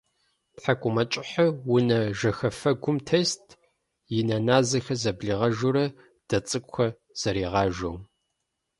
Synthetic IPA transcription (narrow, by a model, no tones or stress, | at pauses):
pħakʷʼʊmɐt͡ʃʼɪħɐwʊnɐʒɐxɐfɐɡʷʊmtʰeːstʰ | jɪnɐnaːzɐxɐzɐbɮiːʁɐʒuɾɐ | d̥ɐt͡sʼɨkʷʼxʷɐ | z̥ɐɾiːʁɑːʒow